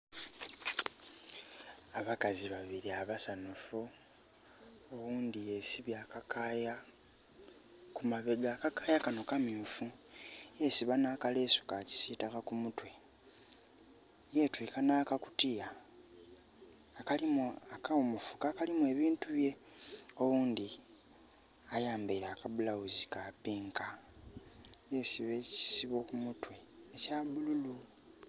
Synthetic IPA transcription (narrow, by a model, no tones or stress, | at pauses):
aβakaziβaβiɾiaβasanufu | owuːndijesiβjakakaja | kumaβeɡakakajakano̞kamjufujesiβanaːkaleːsu̥kaci̥siːtakakumutwe̞ | jetwikanaːkaku̥tija | kalimakaomufu̥kakalimwe̞ːβiːntuβje̞ | o̞wuːndi | ajaːmbeɾakaβulawuzikapiːŋka | jesiβeci̥siβo̞kumutwe̞ːcaːβululu